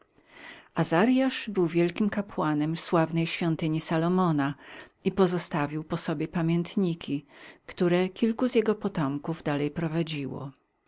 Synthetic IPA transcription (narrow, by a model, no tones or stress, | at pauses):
azaɾjaʂbɘwvʲjɛlkʲimkapwanɛmfswavnɛjɕfʲjɔnt̪ɘɲisalɔmɔnaipɔzɔst̪avʲiwpɔsɔbʲjɛpamʲjɛnt̪ɲikʲikt̪uɾɛkʲilkuzjɛɡɔpɔt̪ɔmkuvd̪alɛjpɾɔvad͡ʑiwɔ̰